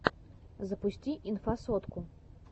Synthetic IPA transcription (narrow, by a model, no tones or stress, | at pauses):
zɐpusʲt͡sʲiʔinfasɔt̪ku